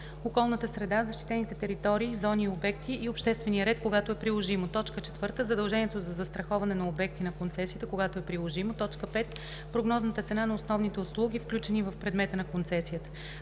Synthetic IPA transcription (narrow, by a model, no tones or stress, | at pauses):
okɔlˠnət̪əsɾɛd̪azɐʃt̪i̥t̪ɛnit̪ɛt̪ɛɾit̪ɔɾiːzɔniobɛkt̪iʔːopʃt̪ɛst̪vɛniəɾɛt̪koɡat̪oɛpɾilˠoʒimot̪ɔt͡ʃkət͡ʃɛ̥t̪vɤɾt̪əzəd̪ɐlˠʒɛniɛt̪ozɐzɐst̪ɾɐxɔvɐnɛnɐobɛk̚t̪inɐkont̪sɛsijət̪əkoɡat̪oɛpɾilˠoʒimot̪ɔt͡ʃkəpɛt̪ | pɾoɡnɔznət̪ət̪sɛnanɐosnɔvnit̪ɛʊslˠuɡʲifklʲut͡ʃɛnivəfpɾɛd̪mɛt̪ənɐkont̪sɛsijət̪ə̥